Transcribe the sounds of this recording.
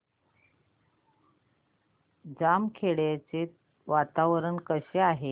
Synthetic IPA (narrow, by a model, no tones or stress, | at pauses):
d͡zamkʰeɽat͡se | ʋat̪aʋɾənkəɕeaɦe